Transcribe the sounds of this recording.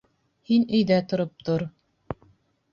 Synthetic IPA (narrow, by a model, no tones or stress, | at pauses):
hinɵ̆jðæt̪ŏɾop̚t̪oɾ